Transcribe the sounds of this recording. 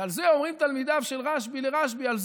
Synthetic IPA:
alzeo̞mʁimt̪almid̪avʃe̞lʁaʃbileʁaʃbialz

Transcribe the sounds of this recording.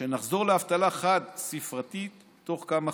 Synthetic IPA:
ʃenaχzo̞ʁleaft̪alaχad̪sifʁat̪itː | o̞χkama

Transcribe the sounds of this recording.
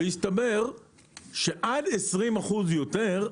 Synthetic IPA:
jist̪abe̞ʁ | ʃeʔad̪esʁimaχuzjot̪eʁ

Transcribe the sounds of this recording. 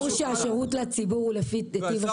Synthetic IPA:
ʁʃeaʃeʁutlat͡sibuʁlefidet̪iva

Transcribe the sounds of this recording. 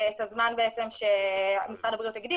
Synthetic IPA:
et̪azmanbeɛt͡semʃemisadabʁijut̪haɡd̪i

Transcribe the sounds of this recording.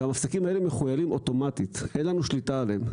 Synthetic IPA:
amafsakimae̞leeme̞χujalimʔo̞to̞mat̪it̪henlanuʃlitaːlem

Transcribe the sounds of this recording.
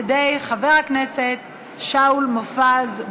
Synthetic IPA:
ed̪ejχave̞ʁhakneset̪ | ʃaulmofaz

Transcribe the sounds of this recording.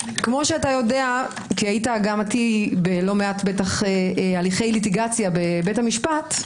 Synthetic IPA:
kmo̞ʃeatajo̞de̞a | kiajitaɡamatibelo̞meatbetaχealiχe̞jlit̬iɡat͡sjabebe̞tamiʃpat

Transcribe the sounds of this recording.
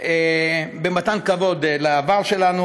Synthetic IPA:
ebemat̪ankavod̪laːvaʁʃelanu

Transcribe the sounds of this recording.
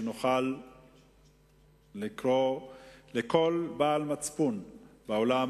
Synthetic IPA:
noχal | ikʁoleko̞lbaːlmat͡spunbaola

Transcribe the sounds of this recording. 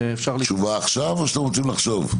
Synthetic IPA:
efʃaʁlʃuvaːχʃavaʃt̪emʁot͡simlaχʃo̞v

